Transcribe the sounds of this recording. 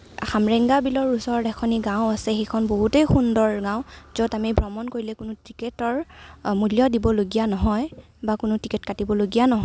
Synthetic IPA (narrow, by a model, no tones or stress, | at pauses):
xamɹɛŋɡabilɔɹusɔɹdɛkʰɔniɡãʊ̃asɛxejkʰɔnboɦutejxundɔɹɡãʊ̃z̥ɔtamibɹɔmɔnkoɹilɛkʊnʊtikɛtɔɹmulijɔdibɔloɡijanɔɦɔj | bakʊnʊtikɛt̚katibɔloɡijanɔɦɔ